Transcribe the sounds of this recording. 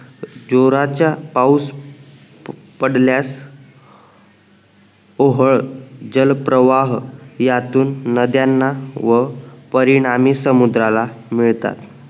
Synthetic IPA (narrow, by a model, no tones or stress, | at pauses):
d͡ʑoɾat͡ɕjapaus | pəɽljas | oɦəɭd͡ʑəlpɾəʋaɦjat̪uːnːəd̪janːaʋəpəɾiɽ̃amiːsəmud̪ɾalamiɭt̪a̰t̪